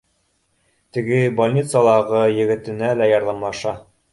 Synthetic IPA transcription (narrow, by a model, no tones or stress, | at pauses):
t̪ɘ̆ɡɘbɐlʲnʲit̪sɑlˠɑʁɤjɘ̆ɡɘ̆t̪ɘ̆nælæjɑɾðɑmlˠɑʃɑ